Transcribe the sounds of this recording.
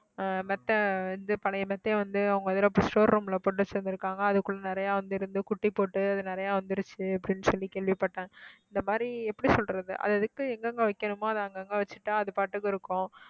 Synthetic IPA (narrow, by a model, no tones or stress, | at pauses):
mɛt̪ːɐʋɐnd̪ɯpɐlɐjmɛt̪ːeːʋɐnd̪ɯɐʋɯŋɡɐɐðɪlɐpʊsʈoːɾɾuːmɪlɐpoːʈ̬ːɯʋɐt͡ʃːɯɾɯnd̪ɪɾɯkːaːŋɡɐːðɯkːʊɭːɐnɪɾɐjaːʋɐnd̪ɯɪɾɯnd̪ɯkʊʈːipːoːʈːɯɐðɯnɪɾɐjaːʋɐnd̪ɯɪɾɯt͡ʃːɯɐpːɐɽɪnːɯsɔlːikeːɭʋipːɐʈːẽːɪnd̪ɐmaːd̪ɾiɛpːɐɽisɔlɾɐðɯ̰ʔɐ̰ðɛðɯkːɯɛŋɡɐŋɡɐʋɐkːɐnɯmoːɐðɐɐŋɡɐŋɡɐʋɐt͡ʃːɯ̥ʈːãːɐðɯpaːʈːɯkːɯɪɾɯkːʊ̃